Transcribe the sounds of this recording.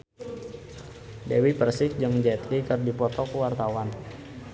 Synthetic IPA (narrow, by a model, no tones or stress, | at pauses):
dɛwipərsɪk̚d͡ʒɨŋd͡ʒɛt̪ɾikɨrdipɔt̪ɔkəwart̪awan